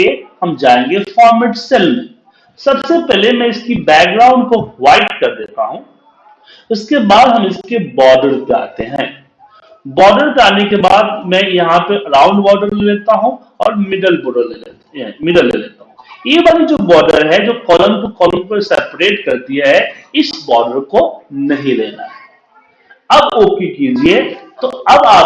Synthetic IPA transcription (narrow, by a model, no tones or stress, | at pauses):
ehɐmd͡ʒaːẽːŋɡefaːɾməʈsɛlmẽ | sɐbsepɛɦlemɛ̃ɪskibɛːk̚ɖɾaːʊ̃ɳɖkoʋaːɪʈkɐɾd̪eːt̪aɦũː | ʊskebaːd̪ɦɐmɪskebɔːɖəɾpea̰ːt̪eɦɛ̰̃ː | bɔːɖəɾpeaːnekeba̰ːd̪mɛ̃jɐɦãpeʔɐɾãːʊ̃ɳɖbɔːɖəɾleleːt̪aɦũ | ɔ̰ːɾmɪɖəlbʊɽə | mɪɖəlːḛːlḛːt̪aɦũjeːbaːnid͡ʒoːbɔːɖəɾɦɛd͡ʒoːkɔːlə̃mkokɔːlə̃mpɐɾsɛːpɾeːʈkɐɾd̪ijaɦɛɪsbɔːɖəɾkonɐɦĩlḛːna̰ɦɛ | ɐboːkikiːd͡ʒiet̪oɐbaː